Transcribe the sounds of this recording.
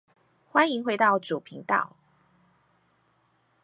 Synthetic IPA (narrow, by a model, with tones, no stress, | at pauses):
xwa˦ni˧˥ŋwe˧˥ɪt̪ɑ˥˩ʊt͡su˨˩pʰi˧˥˦ŋt̪ɑ̰˥˩ʊ